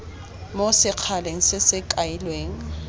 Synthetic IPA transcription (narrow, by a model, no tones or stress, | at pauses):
mosɪq͡χʰaleŋ̩sɪsɪkʼaɪlweːŋ̩